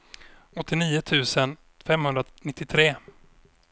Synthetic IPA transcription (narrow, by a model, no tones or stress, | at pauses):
ɔt̪ːɪniːʊt̪ʰʉ̟ːsən | fɛmhɵnd̪ɾanɪt̪ːɪt̪ʰɾeː